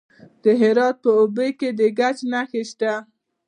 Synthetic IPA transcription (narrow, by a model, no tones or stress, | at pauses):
d̪̥əɦɪɾɑt̪̚pəobəjked̪əɡat͡ʃnaxeʃt̪a